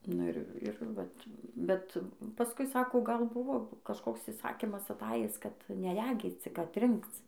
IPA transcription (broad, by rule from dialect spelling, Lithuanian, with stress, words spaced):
nʊ ˈɪr ˈɪr ʋɐt bʲɛt pɐˈskʊɪ ˈsɑːkoː ɡɐlˠ ˈbʊʋoː kɐʃˈkoːks ɪˈsɑːkʲɪmɐs ɐˈtɑːjɪs kɐt nʲɛˈrʲæːɡʲiːt͡s ˈt͡sʲɪk ɐtʲˈrʲɪŋkt͡s